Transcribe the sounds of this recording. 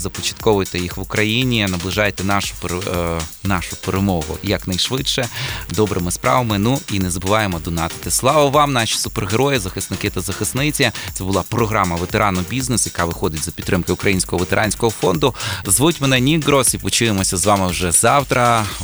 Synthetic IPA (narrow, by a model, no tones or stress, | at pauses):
zɐpɔt͡ʃɐ̥t̪kɔʋʊjt̪ɛjixʋʊkɾɐjinʲinɐblˠɪʒɑjet̪ɛnɑʃʊ̥p | nɑʃʊpeɾemɔɦʊ̰jɐknɐjʃʋɪtʃɛd̪ɔbɾʔɪmɪspɾʔɑ̰ʋɐmɪnuinɛzɐbʊʋɑjemɔd̪ɔnɑt̪ɪ̥t̪ɪslˠɑʋɐʋɑmnɑʃʲi̥sʊperɦeɾɔjɪzɐxɪsnɪkɪt̪ɐzɐxɪsnɪt͡sʲɐt̪sɛbʊlˠɑpɾɔɦɾɑmɐʋet̪eɾɑnɔbʲiznesjɐkɑʋɪxɔd̪ɪtʲzɐpʲid̪t̪ːɾɪmkɪʊkɾʔɐjinʲsʲkɔɦɔʋet̪eɾʔɑnʲsʲkɔɦɔfɔnd̪ʊzʋutʲmenɛnʲiɡɾɔsipɔt͡ʃɪʋemɔsʲɐzʋɑmɪwʒɛzɑwt̪ɾʔɐ